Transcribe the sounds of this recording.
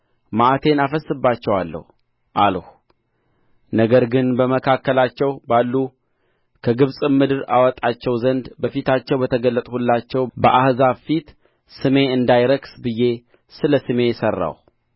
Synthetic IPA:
maʔat̪ʰe̞nafəsːɨbːat͡ʃːɛwalːə̰hu | ʔalhu | nəɡəɾɡɨnbəməkʰakːəlat͡ʃːɛwbalːu | kʰəɡɨβsʼɨmːɨd̪ɨɾa̰wɔt̪ʼat͡ʃːɛwzənd̪bəfit̪ʰat͡ʃːɛwbət̪ʰəɡəlːət̪ʼhulːat͡ʃːɛwbəʔahzafit̪ | sɨme̞ɨnd̪ajɾəksbɨjːe̞ | sɨləsɨme̞jsərːa̰w

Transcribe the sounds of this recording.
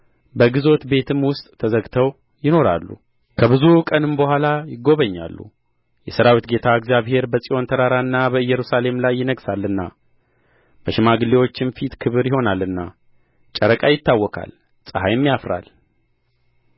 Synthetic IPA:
bəɡɨzo̞t̪be̞t̪ʰɨmwʊst̪ʼt̪ʰːəzəɡt̪ʰəw | jɪno̞ɾa̰lːṵ | kʰəβɨzukʼənɨmbəhʷalajɪɡo̞βəɲːa̰lːṵ | jɛsəɾawit̪ɡe̞t̪ʰaɨɡzjaβhe̞ɾbəsʼiʔo̞nt̪ʰəɾaɾanːabəɨjːɛɾusale̞mlajːɪnəɡsalːɨnːa̰ | b̥əʃɪmaɡɨlːewo̞t͡ʃːɪnfit̪kʰɨβɨɾjɪho̞nalːɨnːa̰ | t͡ʃʼəɾəkʼajɪt̪ːawːɔkʰa̰l | sʼəhajmːijafɾa̰l

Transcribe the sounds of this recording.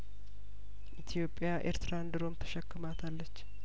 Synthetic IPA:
ʔʔit̪ʰijo̞pʼːjaʔḛɾt̪ʰɨɾand̪ɨɾo̞mt̪ʰə̥ʃɛkːɨmat̪ʰalːət͡ʃː

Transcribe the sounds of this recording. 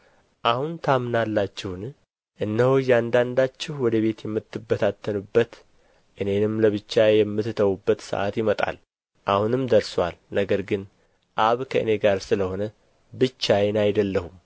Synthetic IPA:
ʔahunt̪ʰamnalːat͡ʃːɪhn | ʔɨnːəhojɛand̪and̪at͡ʃːɪhwɔd̪əβe̞t̪jɛmːɨt̪ʰːɨbːət̪ʰat̪ʰːənubːət̪ | ʔɨne̞nɨmləβɨt͡ʃːajɛmːɨt̪t̪ʰəwubːət̪sə̰ʔa̰t̪jɪmət̪ʼa̰l | ʔahunɨmd̪əɾswalnəɡəɾɡɨn | ʔaβkʰəʔɨne̞ɡaɾsɨləho̞nə | bɨt͡ʃːajɛnajd̪əlːəhum

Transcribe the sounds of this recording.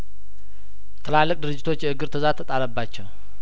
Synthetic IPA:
t̪ʰəlalːək̚ʼd̪ɨɾɨd͡ʒːɪt̪ʰo̞t͡ʃːjɛʔɨɡɨɾt̪ʰəzat̪ʰːət̪ʼaɾəbːat͡ʃːɛw

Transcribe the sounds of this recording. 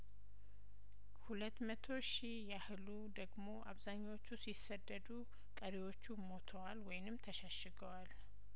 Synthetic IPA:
hulət̪mət̪ʰo̞ʃi | jahɨlud̪əɡmo̞ʔa̰βzaɲːawo̞t͡ʃːusisːəd̪ːəd̪u | kʼəɾiwo̞t͡ʃːumo̞t̪ʰəwalwɔjɪnɨmt̪ʰəʃaʃɨɡəwal

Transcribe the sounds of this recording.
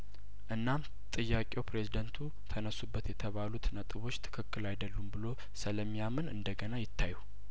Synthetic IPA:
ʔɨnːam | t̪ʼɨjːakʼewpʰɾe̞zid̪ənt̪ʰu | t̪ʰənəsːubːət̪jɛt̪ʰəβalut̪nət̪ʼɨβo̞t͡ʃːt̪ʰɨ̥kʰɨkːɨlajd̪əlːumbɨlo̞ | sɨləmːijamɨnɨ̰nd̪əɡənajɪt̪ʰːajːu

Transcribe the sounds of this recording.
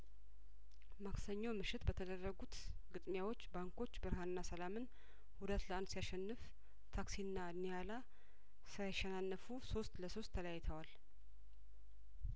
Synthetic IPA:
maksəɲːowmɨʃɪt̪bət̪ʰəd̪ərːəɡut̪ɡɨt̪ʼmjawo̞t͡ʃːbaŋkʰo̞t͡ʃːbɨɾɦanɨnːasəlamɨn | hud̪ət̪ləand̪sijaʃɛnːɨf | t̪ʰaksinːanijala | sɨɾajɛʃɛnanːəfuso̞st̪ləso̞st̪ʰːələjajːɛt̪ʰəwal

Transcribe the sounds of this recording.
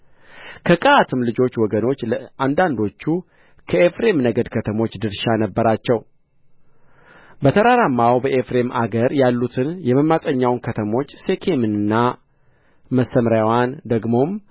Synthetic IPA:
kʰəkʼəat̪ʰɨmlɨd͡ʒo̞t͡ʃːwɔɡəno̞t͡ʃːləand̪and̪o̞t͡ʃːu | kʰəefɾe̞mnəɡəd̪kʰət̪ʰəmo̞t͡ʃːd̪ɨɾʃanəbːəɾat͡ʃːɛw | bət̪ʰəɾaɾamːawbəʔefɾe̞mʔa̰ɡəɾjalːut̪ʰɨnjɛməmːasʼəɲːawnkʰət̪ʰəmo̞t͡ʃːse̞kʰe̞mɨnɨnːa | məsəmɾjawand̪əɡmo̞m

